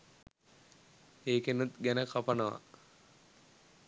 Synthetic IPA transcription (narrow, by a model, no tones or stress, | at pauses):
eːkenut̪ɡænəkapanəʋa̰